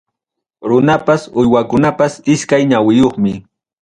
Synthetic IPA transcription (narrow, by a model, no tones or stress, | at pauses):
ɾʊnapasʊjwakʊnapasɪskajɲawɪjoχmɪ